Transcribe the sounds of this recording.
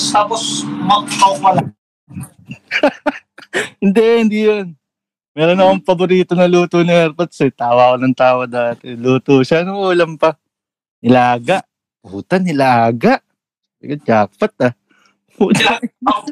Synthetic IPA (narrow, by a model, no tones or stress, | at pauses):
t̪aːposmɐɡt̪owpɐla | hɪnd̪ɛʔhɪnd̪ijon | mɛːɾonːɐkoŋpɐboɾiːt̪onɐluːt̪onɐɛɾpɐt̪sɛt̪aːwakonɐŋt̪aːwɐd̪aːt̪ɛluːt̪oʃanʊuːlɐmpɐ | ɪlaaːɡaʔ | puːt̪anɪlaaːɡaʔ | sɪ̰kɐt͡ʃaːkpɐt̪̚a | puːt̪a